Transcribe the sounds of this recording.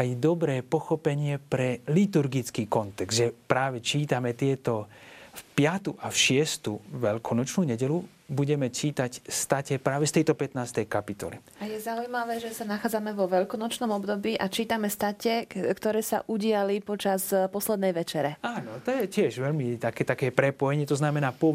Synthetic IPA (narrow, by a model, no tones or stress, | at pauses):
ajd̪ɔbɾɛːpɔxɔpɛɲɪɛpɾɛlit̪uɾɡit͡skiːkɔnt̪ɛɡzd̪ʒɛpɾaːʋɛt͡ʃiːt̪amɛt̪ɪɛt̪ɔfpɪat̪uʔafʃɪɛst̪uʋɛʎkʰɔnɔt͡ʃnuːɲɛɟɛlu | buɟɛmɛt͡ʃiːt̪acst̪acɛpɾaːʋɛst̪ɛjt̪ɔpɛt̪naːst̪ɛjkapit̪ɔ̰lḭ | ajɛzaujmaʋɛːʒɛsanaxaːd͡zamɛʋɔʋɛlkɔnɔt͡ʃnɔmɔbd̪ɔbiːʔat͡ʃiːt̪amɛst̪acɛkt̪ɔɾɛːsa̰ʔuɟɪalipɔt͡ʃaspɔslɛd̪nɛjʋɛt͡ʃɛɾɛaːnɔt̪ɔjɛcɪɛʒʋɛʎmit̪akɛt̪akɛːpɾɛpɔjɛɲɛt̪ɔznamɛnaːpɔ